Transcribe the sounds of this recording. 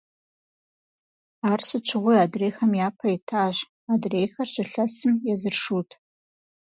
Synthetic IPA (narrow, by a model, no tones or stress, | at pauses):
aːrsɨt͡ʃʷʰɨʁʷʊjaːdreːxɐmjaːpʰɐitʰaːʑ | aːdreːjxɐrɕɪɬɐsɨmjɛzɨrʂuːtʰ